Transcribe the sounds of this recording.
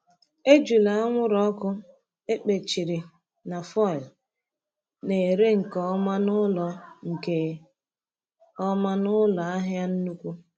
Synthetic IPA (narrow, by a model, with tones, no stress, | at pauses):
e˦d͡ʒu˨la˨a˦ŋʷʊ˦ɾɔ˦ɔ˦kʊ˦ | e˦k͡pe˨t͡ʃi˨ɾi˨ | na˨fɔ˦ɪ˨l | ne˨e˨ɾe˦ŋ̩˨kɔ˦ma˦nʊ˦lɔ˨ŋ̩˨ke˨ | ɔ˦ma˦nʊ˦lɔ˨a˦ɦja˦n̩˦nu˦kʷu˦